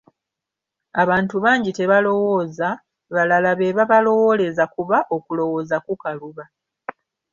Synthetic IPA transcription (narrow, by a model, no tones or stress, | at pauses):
aβaːntuβaːɲɟite̞βalo̞wo̞ːza | βalalaβe̞ːβaβalo̞wo̞ːle̞zakuβaʔo̞kulo̞wo̞ːzakukaluβa